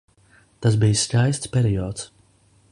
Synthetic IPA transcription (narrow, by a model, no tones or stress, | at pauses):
t̪as̬bijscʲajst̪spʲɛɾijɔːt̪s